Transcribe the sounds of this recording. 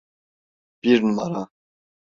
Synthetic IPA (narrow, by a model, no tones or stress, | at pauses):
b̥iɾnmaɾa